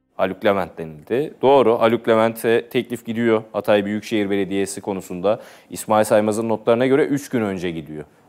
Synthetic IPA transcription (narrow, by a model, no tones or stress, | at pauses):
alʲyclʲemænt̪̚d̪e̞nilʲd̪ɪd̪̥o̞ːɾuʔalʲyclʲemænt̪ʰvɛt̪ʰːɛclʲifɟid̪ijoat̪ʰajbyjycʃe̞jiɾbe̞lʲe̞d̪ijesikʰo̞nusund̪a | ismaːilʲsajmazɯnːot̪lˠaɾɯnaɟø̞ɾɛʔyt͡ʃɟynø̞nd͡ʒɛɟid̪ijo